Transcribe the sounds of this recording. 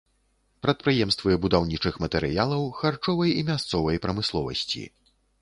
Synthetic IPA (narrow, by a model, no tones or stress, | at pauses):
pɾɐt̪̚pɾɨjɛmst̪vɨbud̪awnʲit͡ʂɨxmɐt̪ɛɾɨjalˠɐwxart͡ʂɔvɐjimʲast̪sɔvɐjpɾɐmɨslˠɔvɐ̰sʲt͡sʲḭ